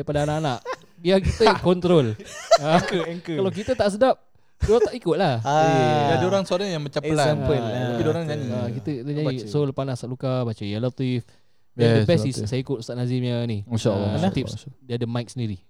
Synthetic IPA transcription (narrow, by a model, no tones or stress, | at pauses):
aipadaanaʔanaʔ | biak̬it̪əkɔnt̪ɾoləkɛŋkəkalawk̬it̪ət̪aʔs̬ədap̚ | daaʔikʊt̪̚lahadadoɾaŋsoaɾaŋjaŋmat͡ʃaməlaampəaidoɾaŋd͡ʒaniakit̪əkit̪əɲansolpanasaʔlukabat͡ʃəialat̪if | diadəbɛissajaikʊt̪̚st̪aʔnazimɲaniinʃa̰lːt̪ipdiəadəmajk̚səndiɾi